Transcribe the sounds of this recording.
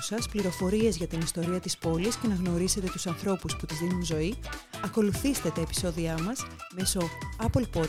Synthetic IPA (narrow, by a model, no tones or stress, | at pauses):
sɐspliɾo̞fo̞ɾie̞zʝɐt̪inist̪o̞ɾiɐt̪ispo̞lisce̞nɐɣno̞ɾise̞t̪et̪u̥sɐnθɾo̞pusput̪izðinunzo̞iɐko̞luθist̪e̞t̪ɐepi̥so̞ðiɐmɐsme̞so̞ɐpo̞lpo